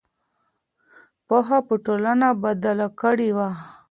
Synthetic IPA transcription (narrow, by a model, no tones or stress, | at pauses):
poɦapəʈolanabad̪alakəɽiwa